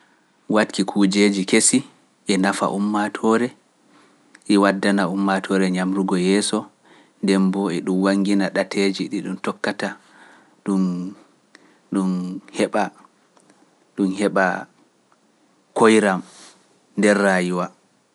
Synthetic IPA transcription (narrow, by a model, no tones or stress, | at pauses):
watkikʰud͡ʒed͡ʒikesi | ʔɛnafa̰ʔumːatʰɔɾɛ | ʔiwadːanaumːatʰɔɾɛɲamɾuɡɔjɛːsɔ | ndɛmbɔɛɗumwaŋɡinaɗatʰed͡ʒiɗiɗumtɔkːata | ɗun | ɗunhɛɓa | ɗunhɛɓa | kojɾam | ndɛɾːajiwa